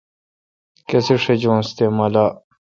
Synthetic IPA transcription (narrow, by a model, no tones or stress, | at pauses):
keseʂed͡ʑõst̪eːmala